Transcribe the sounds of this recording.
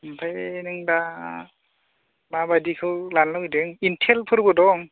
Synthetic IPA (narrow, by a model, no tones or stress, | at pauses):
mpʰajnɯŋda | mabadikʰɯwlanlawidɯŋintʰelpʰɯɾbɯdɔŋ